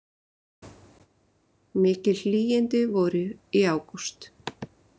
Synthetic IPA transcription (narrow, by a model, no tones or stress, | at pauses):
mɪːcɪlhliːjɪnt̪ɪvɔːɾʏiaːwkust̪